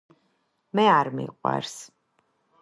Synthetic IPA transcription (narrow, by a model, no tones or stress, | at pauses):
mɛaɾmḭqʼwa̰ɾs